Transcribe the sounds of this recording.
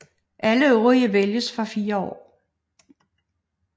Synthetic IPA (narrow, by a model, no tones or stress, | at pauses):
ʔæləøʊʁiɐʋeljəsfɑfiːɐɒ̰ː